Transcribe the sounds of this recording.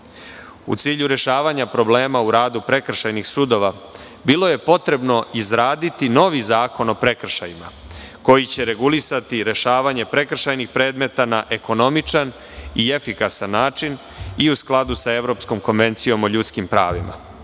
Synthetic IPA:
ṵt̪siːʎuɾe̞ʃaːʋaɲapɾo̞ble̞ːmauɾaːd̪upɾe̞kr̩ʃajnixsud̪o̞ʋa | bilo̞je̞po̞t̪ɾe̞bno̞izɾaːd̪it̪ino̞ʋizaːko̞no̞pɾe̞kr̩ʃa̰jima̰ | ko̞jit͡ɕe̞ɾe̞ɡulisat̪iɾe̞ʃaːʋaɲe̞pɾe̞kr̩ʃajnixpɾe̞ːd̪me̞t̪anaʔe̞ko̞no̞mit͡ʂan | ie̞fikasanːaːt͡ʂin | iusklˠad̪usae̞ʋɾo̞ːpsko̞mko̞nʋe̞nt̪sijo̞moʎut̪skimpɾa̰ːʋḭma̰

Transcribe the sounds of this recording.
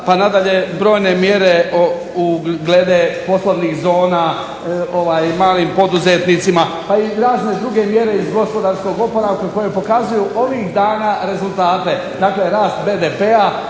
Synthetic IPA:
panad̪aʎe̞bɾo̞ːjne̞mje̞ɾe̞o | uɡled̪epo̞sloʋnixzo̞ːna | o̞ʋaːjmaːliːmpo̞d̪uze̞t̪nit̪sima | paiɾaːzne̞d̪ɾuɡe̞mje̞ɾe̞izɡo̞spo̞d̪aːɾsko̞ɡopo̞ɾaʋkako̞jepo̞kazujuʔo̞ʋixd̪aːnaɾe̞zult̪aːt̪e̞ | d̪aːkleɾaːst̪be̞ːd̪epea

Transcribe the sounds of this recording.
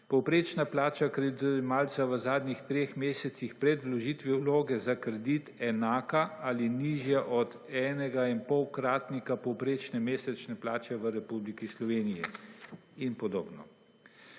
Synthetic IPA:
pɔwpɾeːt͡ʃnaplaːt͡ʃakɾɛd̪uɛmaːlt̪saʋəzaːd̪nʲixt̪ɾeːxmeːsɛt̪sixpɾɛd̪lɔʒiːt̪ʋiwloːɡɛzakɾɛd̪it̪ɛnaːkaaliniʒjaʔɔd̪ | ɛːnɛɡainpɔwkɾaːt̪nikapɔwpɾeːt͡ʃnɛmeːsɛt͡ʃnɛplaːt͡ʃɛʋəɾɛpublikislɔʋeːnijɛ | inpɔd̪o̰ːbnɔ̰

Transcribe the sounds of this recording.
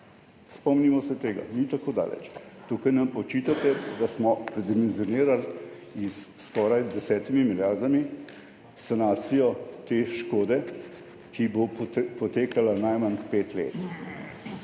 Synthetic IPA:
spɔmnimɔsɛt̪eːɡa̰nit̪akoːd̪a̰ːlɛ̰t͡ʃt̪uːkajnampɔt͡ʃit̪at̪ɛd̪asmɔpɾɛd̪imɛnziɔneːɾal | isːkɔːɾajd̪ɛsɛːt̪imimiljaːɾd̪ami | sanaːt̪sijɔt̪eːʃkoːd̪ɛ | kibopɔt̪eːkalanajmanpeːt̪lḛːt̪

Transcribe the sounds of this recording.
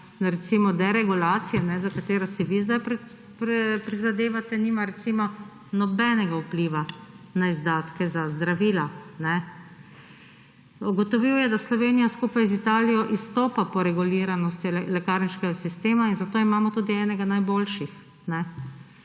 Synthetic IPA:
ɾɛt̪simɔd̪ɛɾɛɡulaːt̪sijɛnɛzakat̪eːɾɔsiʋizd̪ajpɾ | pɾpɾizad̪eːʋat̪ɛniːmaɾɛt̪simɔ | nɔbɛnɛɡaupliːʋa | naizd̪aːt̪kɛzazd̪ɾaʋiːlanɛ | uɡɔt̪ɔʋiwjɛd̪aslɔʋeːnijaskuːpajzit̪aːlijɔʔist̪oːpapɔɾɛɡuliːɾanɔst̪ilɛkaɾniʃkɛɡasist̪eːmainzat̪oːimaːmɔt̪uːd̪iɛːnɛɡanajboːlʃix | nɛ

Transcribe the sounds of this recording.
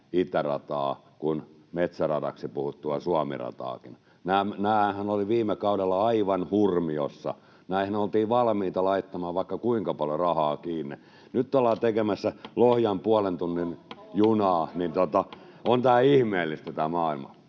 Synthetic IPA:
it̪ærɑ̰t̪ɑː | kun | met̪særɑtɑ̰ksipuhut̪ːuɑsuɑmḭrɑ̰t̪ɑ̰ːkin | næːmnæːhæhænoliʋiːmˑekɑudelːɑɑiʋɑnhurmiosːɑ̰ | næihinolt̪iːʋɑlmiːt̪ɑlɑit̪ːɑmɑːʋʋɑikːɑkuiŋkɑpɑljorɑhɑːkiːnːi | nyt̪ːolːɑːt̪ekemæsːælohjɑmpuɑlent̪unːinjunɑːnint̪ot̪ɑ | ont̪æːihmeːlːist̪æt̪æːmɑːilmɑ̰

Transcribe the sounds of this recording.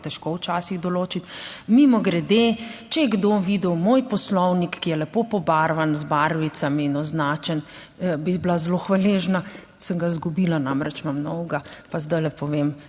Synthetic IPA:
t̪ɛʃkowt͡ʃaːsiɣd̪ɔloːt͡ʃit̪mimɔɡɾɛd̪et͡ʃɛjɛɡd̪oʋid̪əwmoːjpɔslɔwnikːijɛlɛpopɔbaɾʋanzbaɾʋisamiːnɔznaːt͡ʃɛn | biblazloxʋaleːʒna | səŋɡazɡubiːlanamɾɛt͡ʃmamnɔwɡapazd̪ajlɛpɔʋem

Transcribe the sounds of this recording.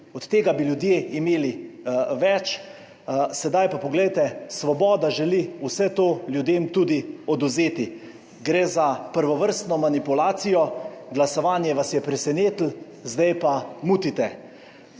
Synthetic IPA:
ɔt̪t̪ːeːɡabiljud̪jeːimeːliʋɛt͡ʃ | sɛd̪ajpapɔɡlɛjt̪ɛsʋɔbɔːd̪aʒɛliusɛt̪oːljud̪eːmt̪uːd̪iɔd̪uzeːt̪i | ɡɾeːzapəɾʋɔʋəɾst̪nɔmanipulaːt̪sijɔɡlasɔʋaːnjɛʋasjɛpɾɛsɛneːt̪l̩ | zd̪ɛjpamuːt̪it̪ɛ

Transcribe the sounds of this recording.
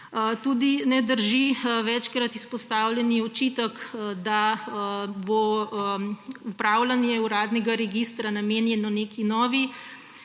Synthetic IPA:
t̪uːd̪inɛd̪əɾʒiʋɛt͡ʃkɾat̪ispɔst̪aːwlɛniɔt͡ʃit̪əkd̪a | bo | upɾaːwlanjɛuɾaːd̪nɛɡaɾɛɡist̪ɾanameːnjɛnɔneːkinɔːʋi

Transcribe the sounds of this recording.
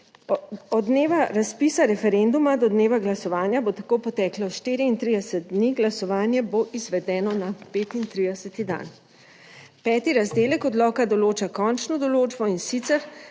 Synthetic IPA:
ɔd̪neːʋaɾaspiːsaɾɛfɛɾend̪umad̪ɔd̪neːʋaɡlasɔʋaːnjabot̪akoːpɔt̪ɛːklɔʃt̪eːɾiint̪ɾid̪ɛsɛd̪̚d̪niɡlasɔʋaːnjɛboʔizʋɛd̪ɛːnɔnapeːt̪int̪ɾid̪ɛsɛt̪id̪a̰n | pɛːt̪iɾazd̪eːlɛkɔd̪lɔːkad̪ɔloːt͡ʃakɔnt͡ʃnɔd̪ɔloːd͡ʒbɔinsit̪sɛɾ

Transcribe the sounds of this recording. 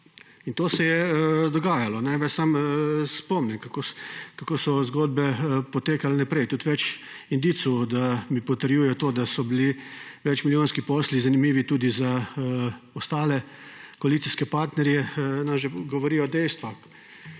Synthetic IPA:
int̪oːsɛjɛd̪ɔɡaːjalɔnɛʋɛssamspɔmnʲɛmkakokakoːsɔzɡoːd̪̚bɛpɔt̪eːkalɛnɛpɾɛjt̪ut̪ʋɛt͡ʃ | ind̪iːt̪sud̪amipɔt̪əɾjujɛjɔt̪oːd̪asɔbiliʋɛt͡ʃmiljoːnskipɔːslizanimiːʋit̪uːd̪iza | ɔst̪aːlɛ | kɔalit̪siskɛpaɾt̪nɛɾjɛnamʒɛɡɔʋɔɾiːɔd̪ɛjst̪ʋax

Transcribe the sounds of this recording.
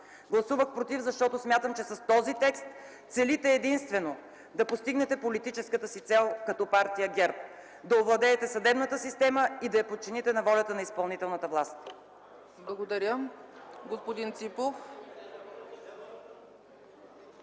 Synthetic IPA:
ɡlˠɐsuvəxpɾot̪ivzɐʃt̪ɔt̪osmʲjat̪əmt͡ʃɛsɐst̪ɔzit̪ɛkst̪ | t̪sɛlit̪ɛːd̪inst̪vɛno | d̪ɐpost̪iɡnɛt̪ɛpolit̪it͡ʃɛskət̪əsit̪sɛlˠkɐt̪ɔpaɾt̪ijəɡʲɛɾp̚ | d̪ɐovlˠɐd̪ɛːt̪ɛsɐd̪ɛbnət̪əsist̪ɛməid̪ɐjɐpot̪̚t͡ʃinit̪ɛnɐvɔlʲɐt̪ənɐispɐlˠnit̪ɛlˠnət̪əvlˠast̪ | blˠɐɡod̪ɐɾʲjə | ɡospod̪int̪sipof

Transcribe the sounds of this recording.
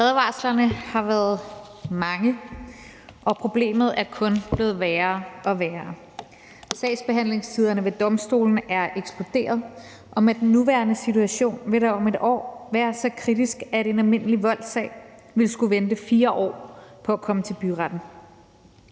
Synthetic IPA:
fɛðˠʋɑ̈slɐnəhɑ̈ʋæːɐð̞ˠmɑ̈ŋə | ʔɒ̽pʰʁo̝b̥le̝̰ːmð̩ˠæɐkʰɔ̽nb̥le̝ːð̞̩ˠʋæːɐːɒ̽ʋæːɐ | sɛ̰ːɪsb̥e̝ɦæn̰le̝ŋst͡sʰiːð̞ˠɐnəʋe̝d̥ɒ̽msd̥o̝̰ːln̩æɐʔeɡ̥sb̥lod̥e̝̰ːɐð̞ˠ | ʔɒ̽med̥n̩ːuʋæːɐnəsit͡sʰuæɕo̝̰ːnʋe̝ɾɑ̈ɒ̽me̝d̥ɒ̰ːʋæːɐsɒkʰʁid̥isɡ̥æɾe̝nælme̝n̰əliʋɒ̽l̰̥sɛ̰ɪ | ʋe̝lsɡ̥uʋend̥əfiːɐʔɒ̰ːpʰɒ̽ækʰɒ̽mət͡sʰe̝lb̥yʁɑd̥n̩

